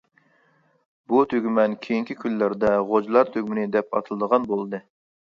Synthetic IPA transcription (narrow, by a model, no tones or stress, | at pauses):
but̪ʰøɡʲymɛnkʲʰejiŋkʲʰikʲʰylːæɾd̪ɛʁod͡ʒlˠɑɾt̪ʰøɡʲmɪnɪd̪ɛpʰɑ̰t̪ʰɨlˠɨd̪əʁɑnbolˠɨd̪ɨ